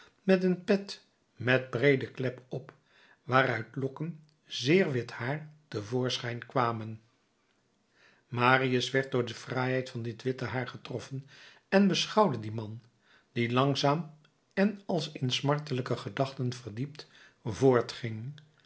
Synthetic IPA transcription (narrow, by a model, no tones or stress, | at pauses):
mɛtənpɛt | mɛd̚brejdəklɛpɔp | ʋaːɾœɥtlɔkən | zɪːɹʋɪthaːɹtəvʊːɹsχɛjnkʋaːmən | maːriəsʋɛɹt̚dʊːɹdəvrɛjɦɛjtfɑndɪtʋɪtəɦaːɹχətrɔfən | ɛnbəsχɑwdədimɑn | d̥ilɑŋzaːm | ɛnɑlˠsɪnsmɑɹtələkəχədɑχtənv̥əɹdip̚t | vʊːɹtχɪŋ